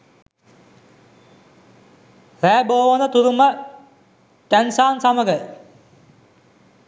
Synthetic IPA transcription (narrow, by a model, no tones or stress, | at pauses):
ræːboːʋənət̪uɾumə | t̪ænsaːnsaməɡə